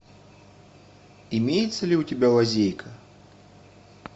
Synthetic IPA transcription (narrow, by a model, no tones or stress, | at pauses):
imʲejɛt̪sːɐlʲiutʲɪbʲalˠazʲejkʰɐ